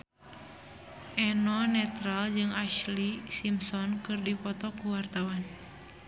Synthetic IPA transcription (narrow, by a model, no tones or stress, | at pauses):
ʔɛnɔnɛt̪ɾald͡ʒɨŋaʃlisimsɔnkɨrdipɔt̪ɔkuwart̪awan